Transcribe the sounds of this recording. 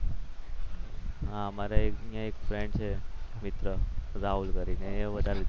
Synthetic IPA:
ɦãmaɾaeknãekfɾeɳɖsemit̪ɾəd͡zaulɡəɾineeʋəd̪al

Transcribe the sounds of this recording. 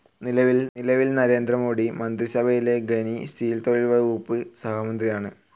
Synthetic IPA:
nilɐʋilnilɐʋilnɐɾe̞ːnd̪rɐmo̞ːɽimɐnd̪risɐbʱɐjile̞ɡenistiːlt̪oːɭilʋɐuːpːɨsɐhɐmɐnd̪rijaːɳɨ

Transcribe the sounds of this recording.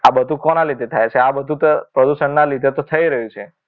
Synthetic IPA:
abəd̪ʱũkɔnalid̪ʱet̪ʰajt͡ʃʰeabəd̪ʱũt̪pɾəd̪uʃəɳnalid̪ʱet̪ot̪ʰəiɾəɦũt͡ʃʰe

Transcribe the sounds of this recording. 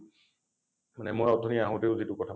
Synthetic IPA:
manɛ̰mojɔd̪ʱɔniaɦɔ̃teʊzitʊkɔtʰa

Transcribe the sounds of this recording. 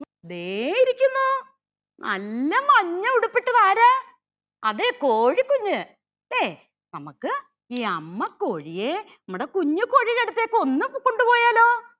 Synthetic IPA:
ɐðeiɾikʲːunːu | nʔɐ̰lːɐmɐɲːɐuɽupːiʈːɐðaːɾɐ | ɐ̰ðekoːɻikːuɲːɨ | d̪eː | nɐmɐkːɨ | iːɐmːɐkːoːɻijenɐmːuɽekuɲːuko̞ːɻieɽut̪ːeːkːɨo̞nːɨkoɳɖupo̞ːjaːloː

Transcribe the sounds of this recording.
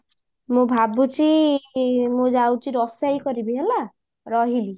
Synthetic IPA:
mũbʱabut͡si | mud͡ʒawt͡ʃiɾɔsajkɔɾibiɦela | ɾɔɦili

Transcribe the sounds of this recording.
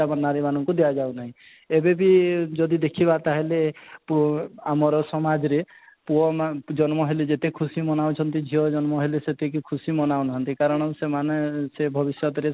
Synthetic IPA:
amanaɾimanɔŋkud̪ejad͡ʒawnaɦĩ | ebebid͡ʒɔd̪id̪ekʰibat̪aɦelepamɔɾɔsɔmad͡ʒɔɾe | puɔmd͡ʒɔnmɔɦeled͡ʒet̪ekʰusimɔnawt͡ʃʰɔnt̪id͡ʒʱiɔd͡ʒɔnmɔɦeleset̪ek̬ikʰusimɔnawnaɦɔnt̪ikaɾɔɽ̃ɔsemanesebʱɔbisjɔt̪ɔɾe

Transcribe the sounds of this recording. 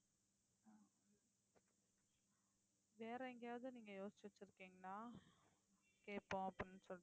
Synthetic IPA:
ʋeːɾɐɛŋɡɐjaːʋðɯniːŋɡɐjoːsɪ̥t͡ʃːɪʋɐt͡ʃːɪɾɯkːeːŋɡɐnaː | keːpːõːɐpːɐnːɯsɔ

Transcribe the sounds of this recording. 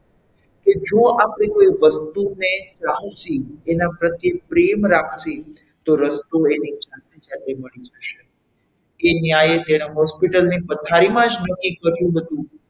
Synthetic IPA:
ked͡ʒõapɽekoiʋəst̪unet͡ʃaɦəsienapɾət̪jepɾemɾakʰsi | t̪oɾəst̪oenid͡ʒãt̪ed͡ʒat̪eməɭid͡ʒəʃe | kenjajet̪eɽ̃eɦɔspiʈəlnipət̪ʰaɾimãd͡ʒnəkːikəɾjũɦət̪ũ

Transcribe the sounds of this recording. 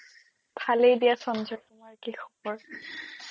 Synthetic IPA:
b̥ʱalejdijasɔnzɔɹtʊmaɹkixɔ̥bɔɹ

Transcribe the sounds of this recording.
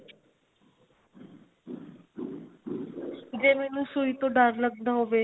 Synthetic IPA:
d͡ʒemenũsuit̪oɖaɾləɡ̚d̪aɦoʋe

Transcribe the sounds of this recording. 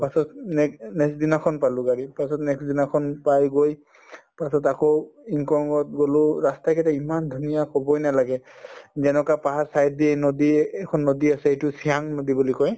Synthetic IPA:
pasɔtnɛnɛksdinakʰɔnpalʊɡaɹipasɔtnɛksdinakʰɔnpajɡoj | pasɔtakɔiŋkɔŋɡɔt̚ɡolʊɹastakɛtaimandʱunijakɔbɔjnalaɡɛzɛnɔkapaɦasajt̚diɛnodikʰɔnːodiasɛetʊsiaŋnodibulikɔj

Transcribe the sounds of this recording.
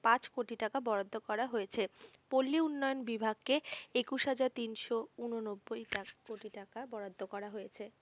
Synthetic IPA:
pãt͡ɕkoʈiʈakabɔɽad̪ʱːokɔɾaɦoet͡ɕʰepolːiunːɔjonbibʱaɡ̚keekuʃɦad͡ʑaɾt̪inʃounonobːojakoʈiʈakabɔɽad̪ʱːokɔɾaɦojet͡ɕʰe

